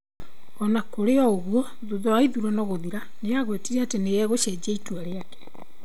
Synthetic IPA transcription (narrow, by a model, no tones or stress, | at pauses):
ɔnakoɾeɔoɣuɔ | ðuðoaiðuɾɔnɔɣoðiɾa | neaɣwetiɾɛatenejɛɣoʃɛd͡ʑeitwaɾeakɛ̥